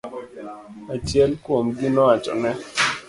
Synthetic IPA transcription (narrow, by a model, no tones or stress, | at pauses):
at͡ʃjɛlkwomɡinɔat͡ʃɔ̰nɛ